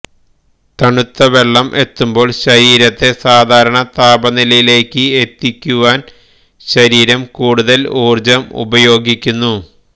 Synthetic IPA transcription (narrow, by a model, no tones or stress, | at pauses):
t̪ɐɳut̪ːɐʋe̞ɭːɐmʔe̞t̪ːumbo̞ːɭɕɐɾiːɾɐt̪ːe̞saːd̪ʱaːɾɐɳɐt̪aːbɐnilɐjile̞ːkʲːɨet̪ːikʲːuʋaːn | ɕɐɾiːɾɐmkuːɽuðɐluːrd͡ʑɐmṵbɐjo̞ːɡikʲːunːu